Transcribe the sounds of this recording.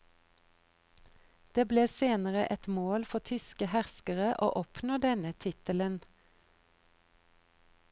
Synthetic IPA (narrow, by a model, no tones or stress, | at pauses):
d̪̥eːbleːseːnəʁəʔɛt̪moːlfɔt̪ʰʏskəhæʁskəʁəʔo̰ːʔɔpnoːd̪ɛnət̪ʰɪt̪ələn